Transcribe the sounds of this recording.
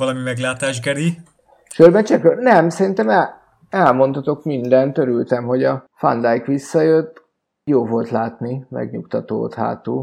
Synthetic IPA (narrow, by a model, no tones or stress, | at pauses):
ɒlɒmimɛɡlaːt̪aːʒɡɛɾi | ʃørbɛnt͡ʃɛkønɛmsɛɾint̪ɛmɛ | ɛlmo̞nt̪ɒt̪o̞kmind̪ɛnt̪øɾylt̪ɛmho̞ɟɒfa̰nd̪ajkʋisːɒjøt̪ː | joːvo̞lt̪laːt̪nimɛ̰ɡɲukt̪ɒt̪o̰ːt̪ɦa̰ːt̪uː